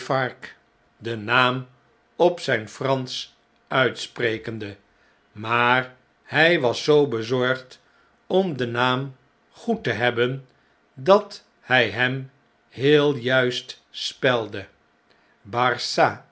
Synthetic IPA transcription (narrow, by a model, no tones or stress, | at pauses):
fɑɹk | dənaːm | ɔpsɛjnfrɑns | œɥtsprejkəndə | maːr | hɛjʋɑsːowbəzɔɹχt | ɔmdənaːm | χutəɦɛbən | dɑt | hɛjɦɛm | hɪːlˠjœɥst | spɛlˠdə | bɑrsa